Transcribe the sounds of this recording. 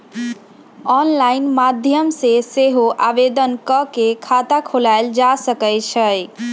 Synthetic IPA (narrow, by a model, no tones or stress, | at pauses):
ɔnlainmad̪ʱjəmseseɦoʔabed̪ənkəkekʰat̪akʰolaeld͡ʒasəkəjt͡ʃʰəj